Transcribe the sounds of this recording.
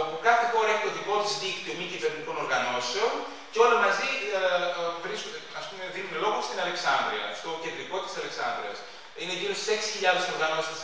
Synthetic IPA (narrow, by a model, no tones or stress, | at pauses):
ɐpokɐθe̞xo̞ɾɐepit̪oðiko̞t̪izðikt̪iomicive̞ɾniko̞no̞ɾɣɐno̞seon | ceo̞lɐmɐzi | vɾiskoeɐspume̞ðinunelo̞ɣost̪inɐle̞ksɐnd̪ɾiɐ̰st̪o̞cend̪ɾiko̞t̪i̥sɐleksɐ̰nd̪ɾḭɐ̰s | ineːcinost̪i̥se̞ksi̥çiʎɐðe̞so̞ɾɣɐno̞ss